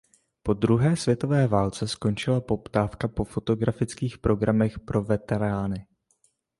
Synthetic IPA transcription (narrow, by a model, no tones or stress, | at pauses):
po̞d̪ɾuɦɛːsvjɛt̪o̞vɛːvaːlt͡sɛsko̞nt͡ʃɪlapo̞pt̪aːfkapo̞fo̞t̪o̞ɡɾafɪt͡skiːxpɾo̞ɡɾamɛxpɾʔo̞vɛt̪ɛɾaːnɪ